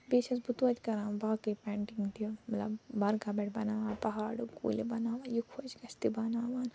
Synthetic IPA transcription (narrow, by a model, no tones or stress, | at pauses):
beːʃɐsbut̪uɐt͡ʃ̪ʲkɐɾãːbaːkɨjpɛːɳʈiŋɡt̪imɐt̪lɐ̰bːɐɾkaːbɛʈbɐnaːʋaːnpɐɦaːɽukṵːlʲibɐnaːʋaːnjukʰuɐt͡ʃɡɐst̪ibɐnaːʋaːn